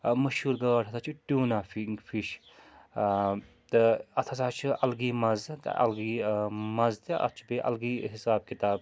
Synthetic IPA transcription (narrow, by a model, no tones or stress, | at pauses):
mɐʃhuːɾɡɐwaːʈʰɐt̪ʰat͡ʃʰuʈuːnaːfifiʃ | t̪ɨɐt̪ʰɐsʰaːt͡ʃʰuʔɐlɡiːmɐzt̪ɐ̰lɡiːmɐzt̪iɐ̰t̪ʰt͡ʃʰbeʔɐ̰lɡiːɦisaːb̚kit̪aːb̚